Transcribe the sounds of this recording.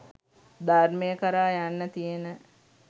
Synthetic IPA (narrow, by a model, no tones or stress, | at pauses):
d̪arməjəkəɾaːjanːət̪ijənə